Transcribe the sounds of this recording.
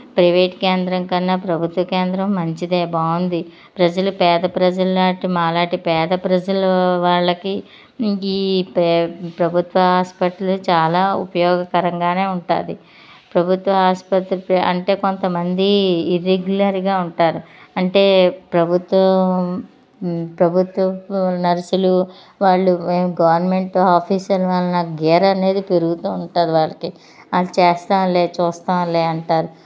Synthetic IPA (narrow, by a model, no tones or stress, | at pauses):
pɾɐʋeːʈkeːnd̪ɾɐŋkɐnːɐpɾɐbʱut̪ʋɐkeːnd̪ɾɐmːɐɲt͡ʃid̪eːbaːwund̪i | pɾɐd͡ʒɐlupɛːd̪ɐpɾɐd͡ʒɐlːaːʈimaːlaːʈipɛːd̪ɐpɾɐd͡ʒɐluʋaːɭːɐkiː | ppɾɐbʱut̪ʋɐɦaːspɐt̪lut͡ʃaːlaːupɐjɔːɡɐkɐɾɐŋɡaːne̞ːuɳʈa̰ːd̪i | pɾɐbʱut̪ʋɐɦaːspɐt̪ɾupɐ̰ɳʈe̞ːko̞nt̪ɐmɐnd̪iːɾeɡjulɐɾiɡaːuɳʈaːɾuɐɳʈeːpɾɐbʱut̪ʋɐ | pɾɐbʱut̪ʋɐnɐɾɐsulu | ʋaːɭːumeːmɡɐʋɐɾnme̞ɳʈaːpʰiːsɐluʋaːlːunaːkuɡɛːɾɐɐne̞ːd̪ipeɾuɡut̪uːuɳʈaːd̪iʋaːɭɐki | aːlːt͡ʃeːst̪aːʋɐlːeːt͡ʃuːst̪aːʋɐlːeːɐɳʈaːɾu